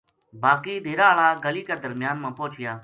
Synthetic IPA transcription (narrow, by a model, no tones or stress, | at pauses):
baːkiːd̪ʱeːɾaːɭaːɡəliːkeːd̪əɾmɪjaːnmãːpoːt͡ʃʰɪjaː